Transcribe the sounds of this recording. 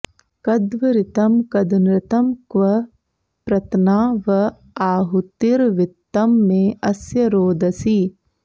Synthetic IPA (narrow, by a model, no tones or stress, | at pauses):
kɐd̪ʋɐɾɪt̪ɐmkɐd̪unɾɪt̪ɐmkʋɐ | pɾɐt̪naːʋɐ | aːɦut̪iɾʋɪt̪ːɐmːeːɐsjɐɾoːd̪ɐsi